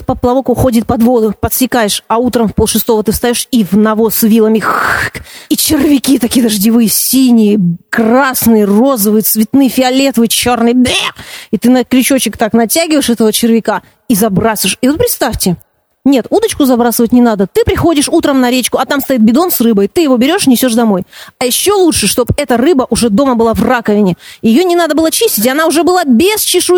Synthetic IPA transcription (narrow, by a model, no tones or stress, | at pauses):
pəplˠɐvo̞kʊxo̞dʲɪt̪̚pɐd̪vo̞d̪ʊpət̪sʲɪkajɪʂɐut̪ɾəmfpolˠʂɨst̪o̞vət̪ɨfst̪ɐjoʂivnɐvo̞svʲilˠəmʲɪxkit͡ɕɪrvʲɪkʲiət̪ɐkʲijəd̪əʐdʲɪvɨjəsʲinʲɪjəkrasnɨjəro̞zəvɨjət̪svʲɪt̪nɨjəfʲɪɐlʲet̪vɨjt͡ɕo̞rnɨjbʲeit̪ɨnəkɾʲɪt͡ɕot͡ɕɪkt̪aknɐtʲæɡʲɪvəjɪʂɛt̪əvət͡ɕɪrvʲɪka | izɐbɾasəʂivot̪̚pɾʲɪt̪st̪afʲtʲɪ | nʲe̞t̪ud̪ət͡ɕkʊzɐbɾasɨvətʲnʲɪnad̪ət̪ɨpɾʲɪxo̞dʲɪʂut̪ɾəmnɐɾʲet͡ɕkʊɐt̪amst̪ɐit̪̚bʲɪd̪o̞nsrɨbəjt̪ɨjɪvo̞bʲɪɾʲo̞ʂnʲɪsʲo̞ʂd̪ɐmo̞jɐjɪɕːo̞lˠutʂɨʂt̪o̞bɛt̪ərɨbəʔʊʐɛd̪o̞məbɨlˠavrakəvʲɪnʲɪjɪjo̞nʲɪnad̪əbɨlˠət͡ɕisʲtʲɪtʲɪɐnaʊʐɛbɨlˠabʲest͡ɕɪʂu